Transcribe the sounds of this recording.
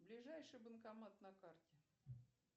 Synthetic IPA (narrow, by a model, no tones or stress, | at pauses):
blʲɪʐajʂɨjbənkamat̪nɐkartʲɪ